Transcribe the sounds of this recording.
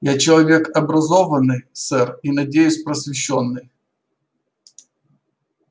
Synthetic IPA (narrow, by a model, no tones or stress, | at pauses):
jat͡ɕɪlˠɐvʲe̞kɐbɾɐzovənːɨjsɛrinɐdʲejʊsʲpɾəsvʲɪɕːonːɨj